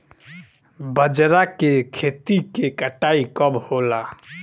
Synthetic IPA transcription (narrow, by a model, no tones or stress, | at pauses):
bəd͡ʒɾakekʰet̪ikekəʈaːikəbhola